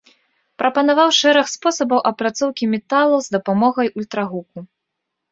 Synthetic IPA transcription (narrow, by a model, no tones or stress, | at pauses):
pɾɐpɐnavawʂɛɾɐxspɔsɐbɐwʔɐpɾat̪sɔwkʲimʲɛt̪alˠɐwzd̪ɐpamɔɣɐjulʲt̪ɾaɣuku